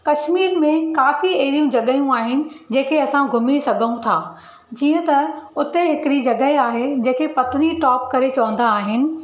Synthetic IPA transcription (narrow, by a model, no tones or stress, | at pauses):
kɐʃmiːɾmẽkaːfiɐɦɪɾijũd͡ʑɐɠəijũaːɦɪnɪ̆d͡ʑẽːkʰeɐsãɡʱʊmisɐɡʱəũt̪ʰaː | d͡ʑiːə̃t̪ɐʊt̪eɦɪkɪɾid͡ʑɐɠəɦeaːɦed͡ʑẽːkʰepɐt̪niʈɔːp̚kɐɾet͡ɕɐʋə̃n̆d̪aːɦɪnɪ̆